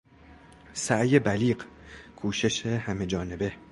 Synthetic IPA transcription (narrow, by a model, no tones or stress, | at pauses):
sæʔje̞bæliːɢkʰuːʃe̞ʃehæme̞d͡ʒɒːne̞be̞